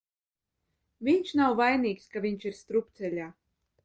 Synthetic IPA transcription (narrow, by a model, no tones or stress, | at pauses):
vʲiɲʃnawvajniːkskavʲiɲt͡ʃiɾst̪ɾupt̪sɛlʲaː